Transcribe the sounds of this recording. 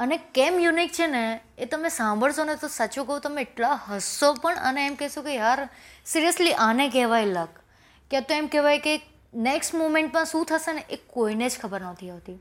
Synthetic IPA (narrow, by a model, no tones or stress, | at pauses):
ənekemjunik̚t͡ʃʰene | et̪əmesãmbʱəɭsonet̪osat͡ʃũkəũt̪əmeːʈlaɦəsopəɳə̰neːmkɛsokejaɾsiɾijəsliʔanek̬ɛɦʋajlək | kat̪oemkɛʋajke | neksʈmomẽɳʈ̚pə̃ɳsũt̪ʰəseneʔekoined͡ʒkʰəbəɾnət̪ʰiaʋt̪i